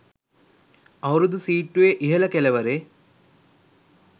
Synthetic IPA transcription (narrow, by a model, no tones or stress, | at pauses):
ɐwɾud̪usiːʈːuʋeʔiɦɐlɐkelɐʋɐɾe